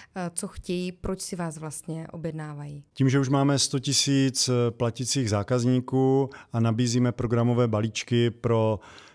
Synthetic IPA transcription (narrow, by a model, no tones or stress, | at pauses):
t͡soxcɛjiːpɾot͡ʃsɪvaːsvlast̪ɲɛʔo̞bjɛdnaːvajiːciːmʒɛuʃmaːmɛst̪ocɪsiːt͡splacɪt͡siːɣzaːkazɲiːkuːʔanabiːziːmɛpɾo̞ɡɾamo̞vɛːbaliːt͡ʃkɪpɾo̞